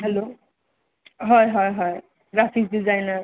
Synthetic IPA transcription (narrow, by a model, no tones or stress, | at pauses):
ɦelo | ɦʌjɦʌjɦʌj | ɡɾasisdid͡zajnʌɾ